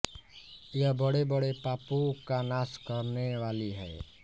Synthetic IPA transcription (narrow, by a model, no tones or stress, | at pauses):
jəɦbəɽebəɽepaːpõkanaːskəɾneʋaːliɦɛ̰ː